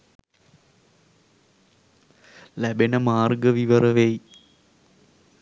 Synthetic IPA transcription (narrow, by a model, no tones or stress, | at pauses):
lɐbenɐmaːrɡɐʋiʋɐrɐʋej